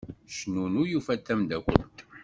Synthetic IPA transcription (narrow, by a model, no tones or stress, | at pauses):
ʃnunujufæt̪ːæmd̪ækʷə̰nt̪